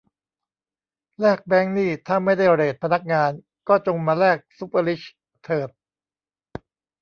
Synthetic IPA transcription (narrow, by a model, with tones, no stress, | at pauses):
lɛː˥˩k̚bɛː˦˥ŋniː˥˩t̪ʰaː˥˩ma˥˩jda˥˩jɾeː˨˩t̪̚pʰa˧na˦˥k̚ŋaː˧n | kɔː˥˩t͡ɕo˧ŋmaː˧lɛː˥˩k̚su˦˥pə˧li˦˥ɕ | t̪ʰːɤː˨˩t̪̚